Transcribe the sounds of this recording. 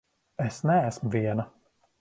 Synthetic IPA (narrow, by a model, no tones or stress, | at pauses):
esnææsmviɛnɐ